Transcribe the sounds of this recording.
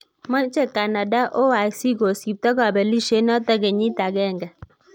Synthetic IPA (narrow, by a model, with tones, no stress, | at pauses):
mɔ˦t͡ʃɛ˦˨ka˨na˨da˦ʔo˦wa˨si˦ɡo˨si˨p̚tɔ˦ka˨bɛ˨li˦ʃe˦nɔ˦tɛ˦ɡɛ˨ɲi˦ta˨ɡɛ˦˨ŋɡɛ˨